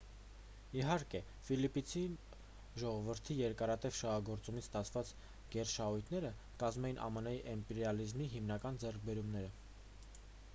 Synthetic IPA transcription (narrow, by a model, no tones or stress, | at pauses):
iɦɑɾkɛ | filipit͡sʰi | ʒɔʁɔvəɾt̪ʰijɛɾkɑɾɑt̪ɛvʃɑɦɑɡɔɾt͡sumit͡sʰst̪ɑt͡sʰvɑt͡s | ɡ̥ɛɾʃɑhujt̪ʰnɛɾə | kɑzmɛjinʔɑ̰mənɑjiʔɛmpɛɾjɑlizmiɦimnɑkɑnd͡zɛrk̚ʰbɛɾumnɛɾə